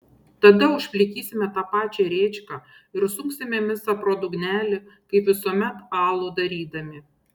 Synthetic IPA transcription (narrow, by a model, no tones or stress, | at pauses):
t̪ɐd̪ɐʊʃʲpʲlʲɪkʲiːsʲɪmʲɛt̪ɑːpɑːt͡ʃʲɛɾʲeːt͡ʃʲkɑː | ɪɾsʊŋksʲɪmʲɛmʲɪsɑːpɾoːd̪ʊɡnʲæːlʲɪkɐɪpʋʲɪsuɔmʲɛt̪ɑːlˠoːd̪ɐɾʲiːd̪ɐmʲɪ